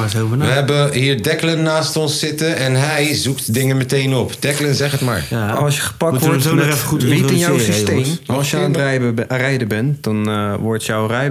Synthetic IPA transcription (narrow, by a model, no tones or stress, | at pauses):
svnʋəɦɛbəɦiːɹdɛklənːaːstɔnsːɪtəɛnɦɛjzuktdɪŋəmətejnɔpd̥ɛklənzɛχətma̰ːɹaɑlˠsjəχə̥pɑktɔɹonɔɛfəuʋiɪnjɔwsistejmɑlˠsjəanrɛjərɛjdəbɛntd̥ɑnʋɔɹtjɔwrɛj